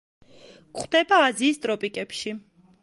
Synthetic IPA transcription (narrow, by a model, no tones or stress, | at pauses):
kχd̪̥ɛbaːziːst̪ʼɾɔpʼikʼɛpʃi